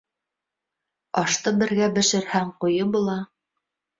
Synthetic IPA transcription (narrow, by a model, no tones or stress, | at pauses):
ɑʃt̪ɤbɘ̆ɾɡæbɘ̆ʃɘ̆ɾhæŋqujɤbulˠɑ